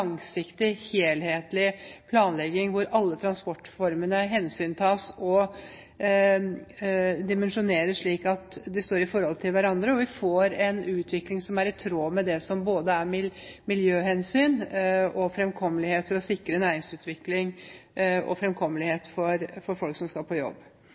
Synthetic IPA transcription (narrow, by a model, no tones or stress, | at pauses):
ɑŋsɪkt̪ɪheːlheːt̪lɪpʰlɑːnlɛɡɪŋʋʊɾɑlːət̪ʰɾɑnspɔʈːfɔɾmənəɦɛnsyːnt̪ʰɑːsɔ | d̪ɪmɛnʂʊneːɾəʂɭiːkɑt̪d̪ɛst̪oːɾɪfɔɾhɔlt̪ʰɪlʋæɾɑnd̪ɾəɔʋɪfoːɾɛnʉːt̪ʰʋɪklɪŋsɔmæɾɪt̪ʰɾoːmɛd̪ɛsɔmboːd̪əæɾmɪlmɪljøːhɛnsyːnɔfɾɛmkʰɔmːəlɪheːt̪fɔɾɔsɪkɾənæːɾɪŋsʉːt̪ʋɪklɪŋ | ɔ̰fɾɛmkʰɔmːəlɪheːt̪fɔɾfɔɾfɔlksɔmskɑpʰɔjɔ̰bː